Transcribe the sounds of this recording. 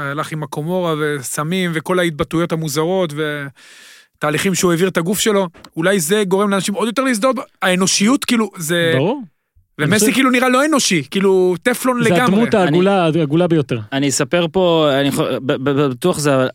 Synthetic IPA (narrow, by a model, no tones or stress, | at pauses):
alaχimako̞mo̞ʁave̞samimve̞ko̞lait̪̚batujo̞thamuzaʁo̞tve̞ | t̪aːliχimʃeueviʁt̪aɡufʃe̞lo̞ulajze̞ɡo̞ʁe̞mleanaʃimo̞d̪jo̞t̪e̞leis̬d̪otaeno̞ʃijutkiːluzebʁuʁ | vemesikiːluniʁalo̞e̞no̞ʃikiːlut̪eflo̞nzeɡammuaulaaɡulabejot̪eʁanisapeʁpo̞aniobbebet̪uaχzeaval